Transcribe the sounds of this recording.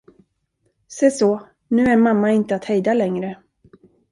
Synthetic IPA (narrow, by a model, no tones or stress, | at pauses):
sɛjsɔ | nʉ̟ːæɾmamːaɪnt̪əat̪hɛjd̪alɛŋɾə